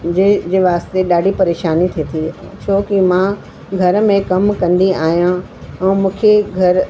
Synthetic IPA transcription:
d͡ʑed͡ʑeːʋaːst̪eɗaːɖʱipɐɾeːʃaːnit̪ʰit̪ʰit͡ɕʰoːkimã | ɡʱɐɾmẽkɐmkɐ̃nd̪iaːɦijã | ɛ̃ːmũːkʰeɡʱɐɾ

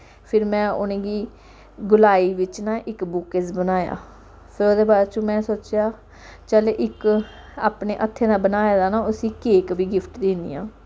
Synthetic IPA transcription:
pʰɪɾmɛ̃ːʊ̰nẽːɡiː | ɡʊlaːiːʋɪt͡ʃnãːʔɪkbʊkɪzbənaːja̰ː | pʰɪɾoːd̪eːbaːɾt͡ʃũːmɛ̃ːsoːt͡ʃjaː | t͡ʃəːleːʔɪk | a̰ːpneːʔət̪ʰːeːnãːbənaːeːd̪aːnãːʊsĩːkeːkbiːɡɪpʰʈd̪ẽːnd̪ḭːjã̰ː

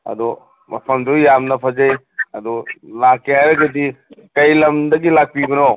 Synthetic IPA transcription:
ɐ̰d̪ɔ | mɐ̰pʰɐmdujamnɐpʰɐd͡ʒej | ɐd̪ulakːeajɾɐɡɐdi | kɐjlɐmdɐɡilak̚piɡɔno

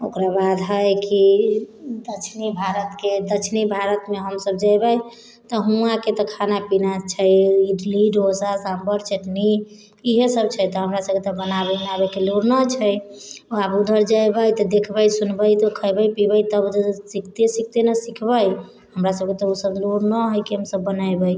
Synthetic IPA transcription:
o̰kɾabad̪ɦəjki | d̪ət͡ʃʰnibʱaɾət̪ked̪ət͡ʃʰnibʱaɾət̪meɦəmsəb̚d͡ʒajbəj | t̪ɔɦũaket̪ɔkʰanapinat͡ʃʰəjiɖliɖosasãmbəɾt͡ʃʰeʈni | iɦesəbt͡ʃʰəjt̪ɔɦəmɾasəb̚ket̪ɔbənabenabekeluɾnət͡ʃʰəjabud̪ʱəɾd͡ʒajbəjt̪ɔd̪ekʰbəjsunbəjt̪ɔkʰəjbəpibəjt̪əb̪sikʰt̪esik̚ʰt̪enəsikʰbəj | ɦəmɾasəb̚ket̪ɔusəbluɾnəɦojkiɦəmsəbːənajbəj

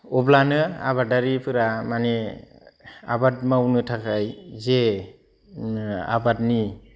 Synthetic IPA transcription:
ɔblanɯa̰βadaɾipʰɯɾamane | a̰bat̚mawnɯtʰakʰajze | a̰bat̚ni

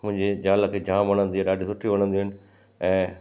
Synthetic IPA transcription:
mʊ̃ɦɪ̃ɲd͡ʑed͡ʑaːləkʰeːd͡ʑaːmʋɐɽ̃ə̃nd̪iaɗaːɖʱisʊʈʰiʋɐɽ̃ə̃nd̪iɦɪnɪ̆ | ɛ̃ː

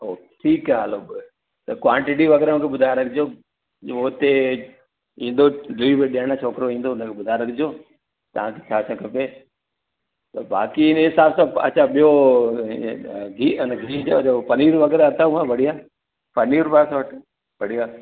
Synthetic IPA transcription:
oːʈʰiːkaɐloːb | t̪ɐkwãːɳʈɪʈ̬iʋɐɡɛːɾamũkʰeɓʊd̪ʱajɾɐkʰɪd͡ʑjoː | oːt̪e | ĩːn̆d̪oɖɾiːbeɗeɦɽ̃at͡ʃʰoːkɾoĩːn̆d̪oʊnəkʰeɓʊd̪ʱaːjɾɐkʰɪd͡ʑoː | t̪ɐʋ̤ãkʰet͡ɕʰaːsʰɐkʰɐpeː | t̪ɐba̰ːkiɪnɦɪsaːbsãːɐ̰t͡ɕʰaɓijo | ɡiɪnɡʱiːd͡ʑoopɐniːɾʋɐɡɛːɾaɐt̪ʰauɦãbɐɽijaː | pɐniːɾpaːsaʋəʈ | pɐɽ̤ijaː

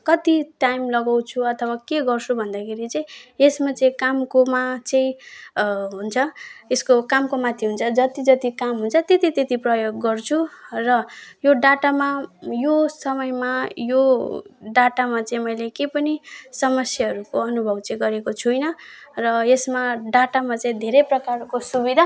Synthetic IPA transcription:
kʌt̪iʈajmlʌɡaw̃t͡sʰuʌt̪ʰʌwakeɡʌrsʰubʱʌnd̪akʰeɾit͡sʌĩesmat͡sʌĩkamkomat͡sʌĩ | ɦunt͡sʰʌeskokamkomat̪ʰiɦunt͡sʰʌd͡zʌt̪id͡zʌt̪ikamɦunt͡sʰʌt̪et̪it̪et̪iprʌjoɡːʌrt͡sʰurʌjoɖaʈamajosʌmʌjmajoɖaʈamat͡sʌĩmʌjlekepʌnisʌmʌsjʌɦʌɾukoʌnubʱʌbt͡sʌĩɡʌɾekot͡sʰujnʌrʌesmaɖaʈamat͡sʌĩd̪ʱeɾʌjprʌkarkosubid̪ʱa

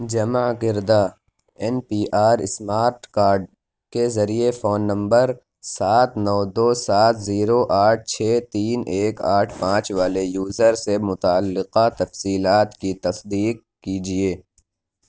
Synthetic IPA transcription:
d͡ʒɐmaɡɪɾd̪aː | ɛnpiːʔaːɾɪsmaːɾʈkaːɾɖ̚ | kezɐɾiefoːnːɐ̃mbəɾ | saːt̪nɔːd̪oːsaːt̪ʰziːɾoʔaːʈ̚ʰt͡ʃʰɛːt̪iːneːkaːʈʰpãːt͡ʃʋaːlejuːzəɾsemʊt̪aːlːɪqat̪ɐfsiːlaːt̪kit̪ɐsd̪iːq̚ | kid͡ʒieː

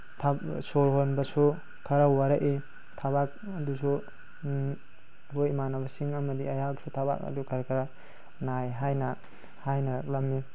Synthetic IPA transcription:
tʰasolɦonbɐsu | kʰɐɾawaɾaʔi | tʰabak̚ | ɐdusu | hojmanabɐsiŋɐmɐdiɐjak̚sʰutʰaba̰k̚ɐ̰dukʰaɾkʰaɾa | najɦajnɐ | hajnɐɾak̚lɐmːi

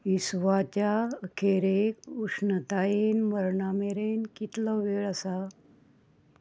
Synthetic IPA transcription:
isʋat͡ɕakʰeɾekuʂnət̪ajenməɾɳameɾenkit̪lɔʋeɭəsa

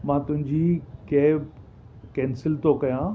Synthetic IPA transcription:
mãːt̪ʊ̃ɦɪ̃ɲd͡ʑiːkeː | kɛːnsɪlt̪okɐjãː

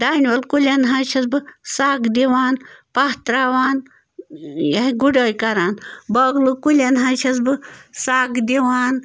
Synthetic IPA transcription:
d̪aːnʋɐlkulʲɐnɦaːʃʰɐsbɨsaːkd̪iʋaːnpat̪ɾaːʋaːn | jɐiɡuɖəːjkɐɾaːnbɐːɡlɨkulʲɐnɦaʃʰɐsbɨsaːkd̪ʲiʋaːn

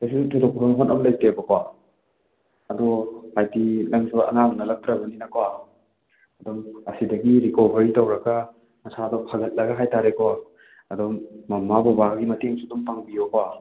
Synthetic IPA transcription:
tajsusutʰɔtʰɔkppʰɔmɦonɐblɐjtebɐkʰwa | ɐdɔhajtilɐŋsʰɔɐ̰nabnɐlɐk̚tɾɐbɐninɐkowa | ɐdɔŋɐsidɐɡiɾikobʱɐɾitowɾɐɡɐ | mɐsadɔpʰaɡɐt̚lɐɡɐɦajtaɾekʰɔwa | ɐdɔmːɐmabɔbaɡimɐteŋsudumpaŋbibɐkowa

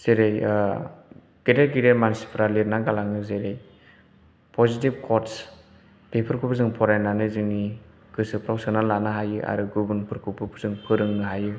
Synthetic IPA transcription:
z̥eɾej | ɡeteɡiɾemansi̥pʰɾaletnaɡalaŋɯzeɾej | pʰɔzitib̚kʰɔts | pepʰɯɾkʰupʰzɯŋpʰɔɾajnanɯzɯŋni | ɡ̥ɯsɯpʰɾawksanalːanɯɦajɯʔa̰ɾɯɡubɯnpʰɯɾkʰupʰɯpʰɯzɯŋpʰɯɾɯŋnɯɦajɯ

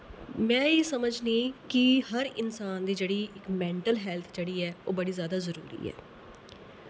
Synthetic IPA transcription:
mɛ̃ːiːsəməd͡ʒnĩːkɪhəɾɪnsaːnd̪iːd͡ʒeːɽiːʔɪkmɛ̃ːɳʈəlɦɛːlt̪ʰd͡ʒeːɽiːɛːoːbəɽiːzjaːd̪aːzəɾṵːɾḭːɛ̰ː

